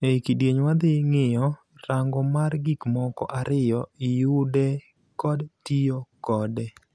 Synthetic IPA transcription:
eikidjeɲwad̪ɪŋɪjɔ | raŋɡɔmarɡikmɔkɔ̰ʔaɾɪjɔɪjʊdɛ | kɔdtijokɔdɛ

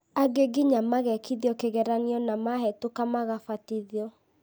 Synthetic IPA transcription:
aɡeɡiɲamaɣɛkiðiɔkeɣɛɾaniɔnamaɦɛtokamaɣafatiðiɔ

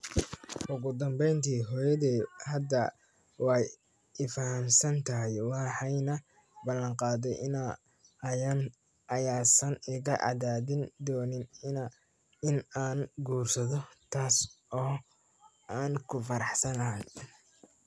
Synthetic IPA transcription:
ʔʊɣʊd̪ɐmbɛjnt̪ʰiːɦɔːjɐðiːhɐd̪ɐ | wɑj | ɪfɐhɐmsɐnt̪ʰɐjwɑħɑjnɐ | bɐlːɐɴqɑːðɛjʔɪna | ɐjan | ʔɐjaːsɐnɪɣɐʔɑ̰ðaːðɪnd̪ɔːnɪnɪn | ɪnaːnɡuːrsɐðɔt̪ʰaːsɔː | aːnkʰʊfɐɾɑħsɐnɐɦɐn

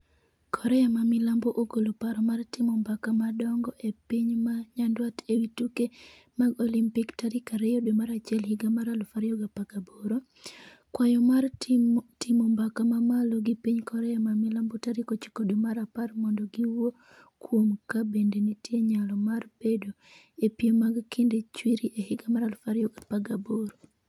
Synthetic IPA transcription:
kʰɔɾɛamamɪlamboʔɡolopaɾɔmartɪmombakamadɔŋɡɔʔepiɲmaɲandwatewituke | maɡɔlimpiktaɾikaɾɛjɔdemaɾat͡ʃɪɛlhiɡamaɾalofaɾjɔɡapakaboɾo | kwajɔmartimombakamamaloɡipiɲkɔɾɛamamilambɔtaɾikot͡ʃi̥kodemaɾaparmɔndɔɡiwo | kwomkabendenitjeɲalɔmarb̥edo | epjemaɡkindet͡ʃwiɾiʔehiɡamaɾalfaɾjɔɡapaɡaboɾo

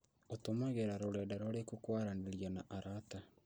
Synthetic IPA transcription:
otomaɣeɾaɾoɾɛdaɾɔɾekokwaɾaneɾijanaʔaɾata

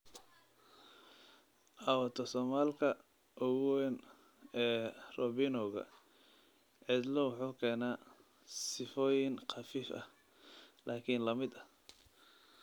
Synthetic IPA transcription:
ʔɑwɐt̪ʰɔsɔːmaːlkʰɐ | ʔɔɣwɛn | ɛːrɔbinɔɣɐ̰ | ʕɪd̪lɔwʊħuːkʰɛːnaː | sɪfɔːjɪnqɑfiːfɐ̰h | lʔaːkʰinlɐmɪd̪ɐ

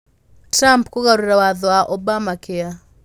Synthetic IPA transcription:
tɾampkoɣaɾuɾawaðɔaʔɔbamakea

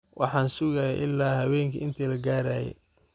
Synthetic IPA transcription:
wʔɑ̰ħɑːnsʊɣajɛʔɪlːaːhɐwɛːŋkʰɐɪnt̪ʰiːlɐɡaːɾaːjɛ̰

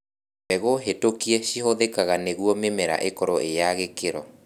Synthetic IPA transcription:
ɛɣoɦetokiɛʃiɦoðekaɣaneɣuɔmemɛɾa̰ʔekɔɾɔʔejaɣekeɾɔ

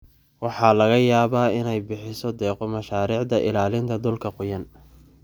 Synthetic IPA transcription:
wɑħɑlɐɣɐjaːβaːɪnɛjbɪħɪsɔd̪ɛːqɔmɐʃaːɾiːʕd̪ɐʔɪ̰laːlɪnt̪ʰɐd̪ʊlkʰɐqʊjɐn

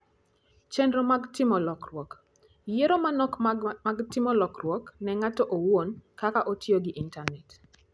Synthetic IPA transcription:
t͡ʃɛndɾomaɡtɪmɔlɔkrwɔk | jeɾomanɔkaɡtɪmɔlɔkrwɔknɛŋatɔʔowonkakaʔotʰjoɡɪʔintanɛt

